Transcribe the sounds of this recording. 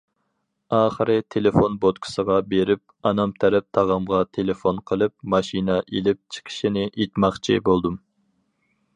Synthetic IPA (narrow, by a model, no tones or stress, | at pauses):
ɑːχəɾɨt̪ʰelefonbot̪kʰʊ̥səʁɑbeɾɪp̚ɑnɑmt̪ʰæɾɛp̚t̪ʰɑʁɑmʁɑt̪ʰelefonqʰəlˠɨp̚mɑʃinɑʔelɪp̚t͡ʃʰi̥qʰi̥ʃinɪʔet̪mɑχt͡ʃʰibolˠd̪um